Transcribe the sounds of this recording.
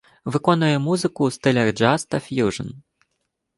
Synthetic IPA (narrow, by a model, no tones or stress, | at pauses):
vɨkɔnujɛmuzɨkust̪ɨlʲɛrd͡ʐast̪ɐfʲjuʐɐ̰n